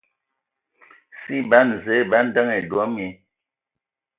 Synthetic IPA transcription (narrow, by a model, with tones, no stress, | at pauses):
si˦ba˦n˨ze˨˦˨ba˦n˦də˦ŋe˨dwɔ˨˦mi˨˦